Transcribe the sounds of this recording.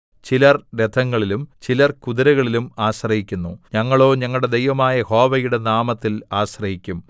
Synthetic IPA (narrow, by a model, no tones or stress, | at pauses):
t͡ɕilɐrɾed̪ʰʱɐŋːɐɭilumt͡ɕilɐrkuðiɾɐɣɐɭilumaːɕrɐhikʲːunːuɲɐŋːɐɭo̞ːɲɐŋːɐɭɽe̞d̪ejʋɐmaːjɐho̞ːʋɐjuɽe̞naːmɐt̪ːilaːɕrɐɦikʲːum